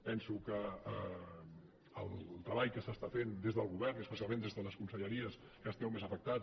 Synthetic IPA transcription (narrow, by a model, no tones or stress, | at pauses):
pɛnsukəə | lˠt̪ɾəβajkəsast̪afend̪ezðəlˠɣuβɛɾniəspəsialˠmẽnd̪ezðələskunsəʎəɾiəs | kast̪ɛwmezəfək̚t̪a